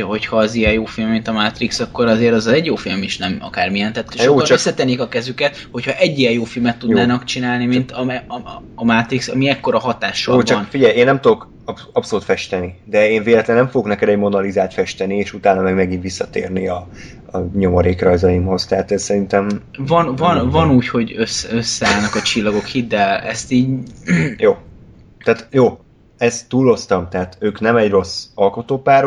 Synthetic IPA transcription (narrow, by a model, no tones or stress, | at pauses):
ho̞chɒɛzijɛjjoːfilmːint̪ɒmat̪riksɒkːo̞ɾɒzeːɾɒzɒɛɟjoːfilmiʃnɛmɒ̰kaːrmijɛnt̪aːt̪ejot͡ʃøsːɛt̪ɛnikɒkɛzykɛt̪ho̞chɒʔɛɟːijɛjoːfilmɛt̪ːud̪naːnɒkt͡ʃinaːlnimint̪ɒɛːmat̪ɾiksɒmiɛkːo̞ɾɒɦɒt̪aːʃoot͡ʃɒnfiɟɛjeːnːɛmt̪ud̪o̞k | ɒpso̞luːt̪fɛʃt̪ɛnid̪ɛeːnveːlɛt̪lɛnːɛɱfoɡo̞knɛkɛd̪ɛɟmo̞nɒlizaːlt̪fɛʃt̪ɛnieːʃut̪aːnɒmɛɡmɛɡint̪ʋisːɒt̪ḛːrniɒ | ɒɲo̞mɒɾeːkrɒjzɒjimho̞z̥t̪ɛɦat̪ɛzsɛɾint̪ɛmvɒnvɒnvɒnuːcho̞ɟøsøsːɛaːlnɒkɒt͡ʃilːɒɡo̞khid̪ːɛlɛ̰st̪iːɟ | joː | t̪æːt̪joː | ɛzt̪ːuːlo̞st̪ɒmt̪ɛɦaːt̪øːknɛmɛɟro̞sɒlkot̪oːpaːr